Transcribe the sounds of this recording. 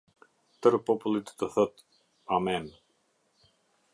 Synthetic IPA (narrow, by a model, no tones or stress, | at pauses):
t̪əɾpɔpulit̪t̪əθət̪ | amɛn